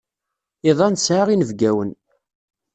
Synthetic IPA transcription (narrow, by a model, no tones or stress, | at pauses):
iðˤɑnsʕaʁinəvɡæwən